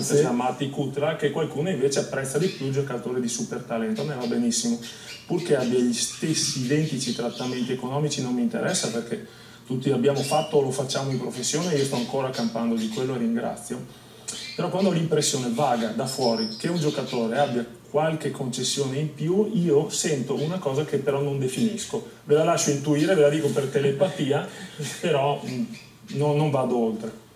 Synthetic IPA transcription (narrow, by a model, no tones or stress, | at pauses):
amat̪ikut̪lakekwalkuːnoiɱveːt͡ʃeapːɾɛt̪sːad̪ipjuild͡ʒokat̪oːɾed̪isupert̪alɛnt̪oamevabenisːimopurkeabːjaʎist̪esːiːd̪ɛnt̪it͡ʃit̪ɾat̪ːament̪iekonɔːmit͡ʃinomːint̪ḛɾʔɛsːaperke | t̪ut̪ːiabjaːmofat̪ːoːlofat͡ʃːaːmoimpɾofesːjoːneiːost̪ɔaŋkoːɾakampand̪od̪ikwelːoerːiŋɡɾa̰t̪sːjo | peɾɔkwand̪ɔlimpɾesːjoːnevaːɡad̪afwɔːɾik̟eund͡ʒokat̪oːɾeabjakwalkekʰːont͡ʃesːjoːneimpjuiːosɛnt̪oʔunakɔːzakepːeɾɔnond̪efiniskovelalaʃːoint̪uiːɾevelad̪iːkopert̪elepat̪iːapeɾɔ | nonːoɱvaːd̪oolt̪ɾe